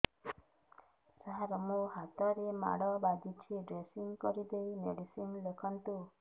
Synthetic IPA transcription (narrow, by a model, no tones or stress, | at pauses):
saɦaɾɔmuɦat̪ɔɾema̰ɽɔbaɡ̪it͡ʃʰiɖɾesiŋkɔɾid̪ejmeɖisimlekʰɔnt̪u